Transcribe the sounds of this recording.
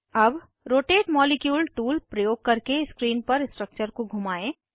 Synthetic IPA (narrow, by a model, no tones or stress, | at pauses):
ɐb | ɾoːʈeːʈmɔːlekjuːlʈuːlpɾɐjoːɡ̚kɐɾkeskɾiːnpɐɾɪsʈɾək̚t͡ʃəɾkoɡʱʊmaːẽː